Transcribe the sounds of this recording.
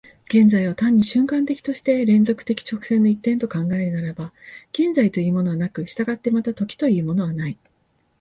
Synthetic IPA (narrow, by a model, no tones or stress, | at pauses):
ɡ̥ẽ̞nd͡zaiβot̪ãɲ̟ːiɕɨ̃ŋkãnt̪e̞kʲi̥t̪o̞ɕi̥t̪e̞ɾẽ̞nd͡zo̞kɯ̥t̪e̞kʲi̥t͡ɕo̞kɯ̟̥sẽ̞nːo̞it̪ːẽ̞nt̪o̞kãŋɡae̞ɾɯ̟naɾabaɡ̥ẽ̞nd͡zait̪o̞iɯ̟ːmo̞no̞βanakɯ̟ɕi̥t̪aɡat̪ːe̞mat̪at̪o̞kʲi̥t̪o̞jɯ̟ːmo̞no̞β̞anai